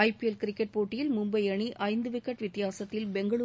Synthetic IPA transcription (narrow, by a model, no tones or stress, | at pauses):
ɐɪpiɛlkɪɾɪkːɛʈ̚poːʈːɪjɪlmʊmbɐɪɐɳiʔɐɪnd̪ɯʋɪkːɐʈʋɪt̪ːɪjaːsɐt̪ːɪlbɛŋɡɐɭu